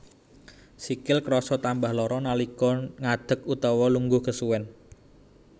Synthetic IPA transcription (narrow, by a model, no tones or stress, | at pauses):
sikɪlkɾɔsɔt̪ambahlɔɾɔnalikɔŋad̪̥ə̤kut̪ɔwɔluŋɡʊhkəsuwɛn